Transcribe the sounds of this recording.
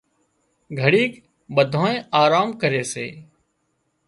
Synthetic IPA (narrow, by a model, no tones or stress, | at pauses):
ɡʱəɽiːk | ɓəd̪ʱõːẽːʔaːɾaːmkəɾeːsḛː